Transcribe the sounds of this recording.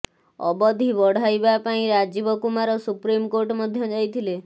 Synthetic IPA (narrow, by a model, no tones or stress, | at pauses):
ɔ̰bɔd̪ʱibɔɽ̤ajbapaĩɾad͡ʒibɔkumaɾɔsupɾimkoɾʈmɔd̪ʱjɔd͡ʒajt̪ʰile